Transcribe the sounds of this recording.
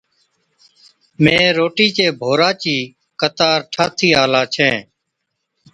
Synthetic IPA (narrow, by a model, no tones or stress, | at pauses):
mẽːɾoːʈiːt͡ʃeːbʱoːɾaːt͡ʃiː | kət̪aːɾʈʰaːt̪ʰiːaːlaːt͡ʃʰẽː